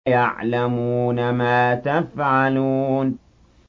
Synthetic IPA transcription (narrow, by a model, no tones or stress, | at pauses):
jaʕlamuːnamaːt̪afʕaluːn